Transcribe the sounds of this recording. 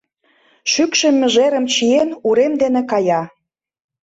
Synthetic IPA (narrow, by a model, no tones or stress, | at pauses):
ʃykʃĕmːə̆ʒeɾə̆mt͡ɕienuɾemd̪enekɑjɑ